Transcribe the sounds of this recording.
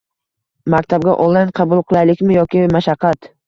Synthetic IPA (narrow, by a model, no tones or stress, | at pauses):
mak̚ʲt̪ʰab̚ɡʲaʔɔlˠanqʰɑbʊlˠqʰɨlˠajlɪkʲmɪjɒkʲɪmaʃɑqʰːɑt̪